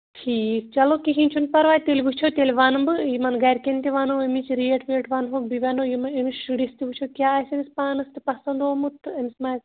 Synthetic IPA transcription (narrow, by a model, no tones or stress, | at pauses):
ʈʰiːkt͡ʃɐloːkiɦĩnt͡ʃʰunt̪̚pɐɾʋaːt̪elʲɡut͡ʃʰoːt̪elʋɐnbɨjimɐnɡɐjɾkent̪eʋanoːemit͡ʃʰiɾieʈʋeːʈʋɐnɦoːk̚biʋʲɐnoːjimɐemisɨɽist̪iɡut͡ʃʰokjaːaːsɐnispaːnɨst̪ɨpɐsɐnd̪oːmɨt̪ʰɐnismaː